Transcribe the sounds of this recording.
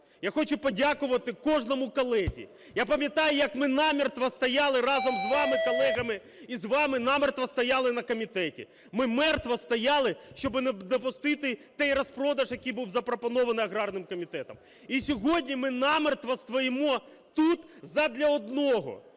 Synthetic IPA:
jaxɔt͡ʃʊpɔdʲakʊʋɐt̪ɪkɔʒnɔmʊkɔlˠɛzʲḭ | japɐmʲjɐt̪ɑjʊjɐkmɪnɑmʲirt̪ʋɐst̪ɐjɑlˠɪɾɑzɔmzʋɑmɪkɔlˠɛɦɐmɪ | izʋɑmɪnɑmert̪ʋɐst̪ɐjɑlˠɪnɐkɔmʲit̪ɛtʲḭ | mɪmɛrt̪ʋɐst̪ɐjɑlˠɪʃt͡ʃɔbɪned̪ɔpʊst̪ɪt̪ɪt̪ɛjrɐspɾɔd̪ɐʒjɐkʲijbuwzɐpɾɔpɔnɔʋɐnɪjɐɦɾɑrnɪmkɔmʲit̪ɛt̪ɐm | isʲɔɦɔdʲnʲimɪnɑmɪrt̪ʋɐst̪ʋɔjɪmɔ | t̪ut̪zɐd̪lʲɐɔd̪̚nɔɦɔ̰

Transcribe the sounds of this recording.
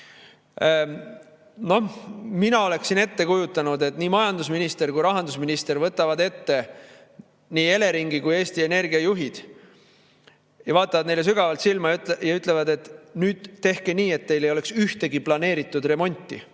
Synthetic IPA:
no̞hminɑo̞le̞ksine̞t̪ːe̞kujut̪ˑːɑnud̪e̞t̪ˑniːmɑjɑnd̪usminist̪e̞ɾkujɾɑɦɑnd̪̥usminist̪e̞rvɤt̪ːˑɑvɑd̪e̞t̪ːe̞ | niːe̞le̞ɾiŋɡikuje̞ːst̪ie̞ne̞rɡiɑjuɦid̪̥ | jɑvɑːt̪ːˑɑvɑd̪ne̞jle̞s̬yɡɑvɑlt̪silmɑjt̪jɑyt̪ˑle̞vɑd̪e̞t̪nyːd̪̥t̪ːe̞hkeniːe̞t̪ːe̞jlejo̞le̞ksyht̪e̞ɡiplɑne̞ːɾit̪ːˑud̪re̞mo̞nʲt̪ːˑḭ

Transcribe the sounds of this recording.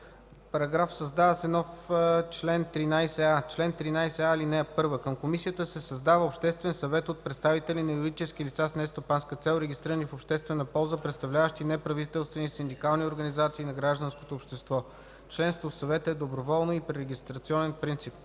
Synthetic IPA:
pɐɾɐɡɾafsəzd̪avəsɛnɔft͡ʃlɛnt̪ɾinajsɛat͡ʃlɛnt̪ɾinajsɛalinɛpɤɾvəkəmkomisiət̪əsɛsɐzd̪avəopʃt̪ɛst̪vɛnsɐvɛt̪ot̪̚pɾɛt̪st̪avit̪ɛlinɐiɾd̪it͡ʃɛskilit̪sasnɛst̪opanskət̪sɛlˠɾɛɡʲist̪ɾiɾənifopʃt̪ɛst̪vɛnəpɔlˠzəpɾɛt̪st̪ɐvlʲavəʃt̪inɛpɾɐvit̪ɛlˠst̪vɛnisind̪ikalˠnioɾɡənizat̪siːnɐɡɾaʒd̪ənsko̥t̪opʃt̪ɛst̪vɔ | t͡ʃlɛnst̪vofsɐvɛt̪əɛd̪obɾovɔlˠnoipɾɛɾɛɡʲist̪ɾɐt̪siɔnɛnpɾint̪sip̚

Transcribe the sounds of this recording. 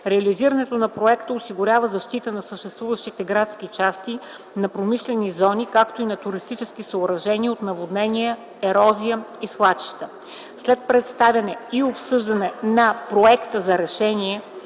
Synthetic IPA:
ɾɛɐliziɾənɛt̪onɐpɾoɛkt̪əosiɡʊɾʲavəzɐʃt̪it̪ənɐsəʃt̪ɛst̪vuvəʃt̪it̪ɛɡɾat̪skit͡ʃast̪i | nɐpɾomiʃlɛnizɔnikakt̪oinɐt̪ʊɾist̪it͡ʃɛsk̟isəʊɾɐʒɛniot̪nɐvod̪nɛnʲijə | ɛɾɔzijəislˠat͡ʃi̥ʃt̪ə | slɛt̪̚pɾɛt̪st̪avʲɐnɛiopsɤʒd̪ənɛnɐpɾoɛkt̪əzɐɾɛʃɛnʲiɛ

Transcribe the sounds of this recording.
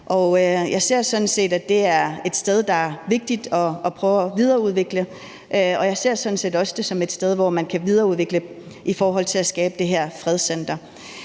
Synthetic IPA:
ʔɒ̽øjɑ̈ɪse̝ɐ̰sɒ̽nn̩se̝̰ːd̥æd̥e̝æɐe̝d̥sd̥eð̞ˠd̥ɑ̈æɐʋe̝ɡ̥̚d̥id̥ɒ̽ːpʰʁœːʊɒʋið̞ˠɐːuðˠʋe̝ɡ̥lə | ʔɒ̽jɑ̈ɪse̝ɐ̰sɒ̽n̩se̝̰ːdɒ̽səd̥e̝sɒ̽me̝d̥sd̥eð̞ˠʋɒmænkʰæʋið̞ˠɐːuðˠʋe̝ɡ̥lə | ʔifɒːɦɒ̽l̰t͡sʰe̝læsɡ̥ɛːb̥əd̥e̝ɦeɐ̰fʁɛð̞ˠsen̰d̥ɐ

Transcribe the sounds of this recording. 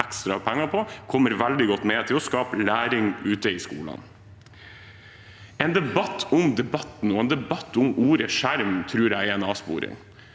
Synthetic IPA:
ɛkst̪ɾɑpʰɛŋːɑpʰɔkʰɔmːəɾʋæld̪ɪɡɔt̪ːmeːt̪ʰɪlɔskɑːpəlæːɾɪŋʉːt̪əɪskṵːlə̰n | ɛːnd̪ɛbɑt̪ʰːʊmd̪ɛbɑt̪n̩ɔːɛːnd̪ɛbɑt̪ːʊmuːɾəʂæɾmt̪ʰɾʉːɾæɪɛnɑːspṵːɾɪ̰ŋ

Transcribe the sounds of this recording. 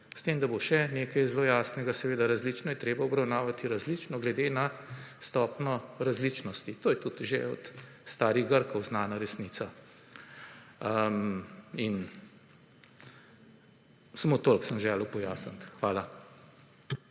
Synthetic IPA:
st̪eːmd̪aboʃɛneːkɐjzloːjaːsnɛɡasɛʋeːd̪aɾazliːt͡ʃnɔjɛt̪ɾeːbaɔbɾawnaːʋat̪iɾazlit͡ʃnɔɡlɛd̪eːnast̪ɔːpnɔɾazlit͡ʃnɔst̪it̪oːjɛt̪ut̪ʒeɔ̰t̪ | st̪aːɾiɣɡəɾkɔwznaːnaɾɛsniːt̪sa | əmin | samot̪olksəmʒɛːlopɔjaːsənt̪xʋaːla

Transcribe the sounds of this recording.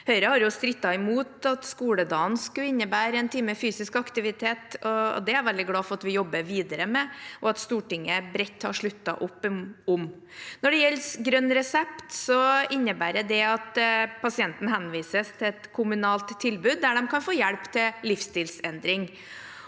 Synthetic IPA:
hœʏɾəhɑɾjʊst̪ɾɪt̪ːɑɪmuːt̪ɑt̪skuːləd̪ɑːnskʉɪnːəbæːɾɛnt̪ʰiːməfyːsɪskɑkt̪ɪʋɪt̪ʰeːt̪ɔ̰d̪ɛæɾʋɛld̪ɪɡlɑːfɔɾɑt̪ʋɪjɔbːəʋiːd̪əɾəmɛʔɔɑt̪st̪uːʈɪŋːəbɾɛt̪ːhɑʂɭʉt̪ːɑ̰ʔʊpːʊm | nɔɖɛjɛlːsɡɾœnːɾɛsɛpt̪sɔɪnːəbæːɾɛd̪ɛɑt̪pʰɑsɪɛnt̪n̩hɛnʋiːsəst̪ʰɪlɛt̪kʰʊmʉnɑːlt̪ʰːɪlbʉːd̪̚ːæɖɛmkʰɑnfoːjɛɽpt̪ʰɪllɪfst̪ɪːlsɛnd̪ɾɪŋ

